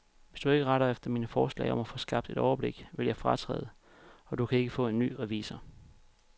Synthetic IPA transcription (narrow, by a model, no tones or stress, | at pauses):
ʋe̝sd̥ue̝ɡ̥əʁɑɾɐefd̥ɐmiːnəfɒːslɛ̰ɪɒ̽mæfɔ̽ːsɡ̥ɑ̈b̥̚d̥e̝d̥ɾɒʊɐb̥le̝ɡ̥ʋe̝ljɑ̈ɪfʁɑt͡sʰʁɛ̰ːð̞̩ˠə | ɒ̽d̥ukʰæe̝ɡ̥əfɔ̰̽ːe̝nːy̰ːʁɛʋḭːsɐ